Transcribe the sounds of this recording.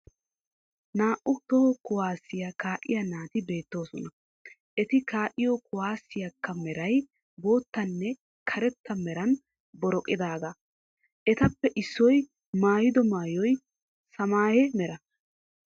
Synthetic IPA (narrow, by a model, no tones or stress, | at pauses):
naːʔʊt̪ɔhkʊwaːsːɪjɐkaːʔɪjɐnaːt̪ɪbe̞ːt̪ːo̞ːsɔnɐ | ʔɛt̪ɪkaːʔɪjokʊwaːsːɪjɐkːɐmɛɾɐj | bo̞ːt̪ːɐnːɛ | kʰɐɾɛt̪ːɐmɛɾɐn | bɔɾɔkʼːɪd̪aːɡa | ʔɛt̪ɐpːɛʔɪsːɔj | maːjɪd̪ɔmaːjɔj | sɐmaːjɛmɛɾɐ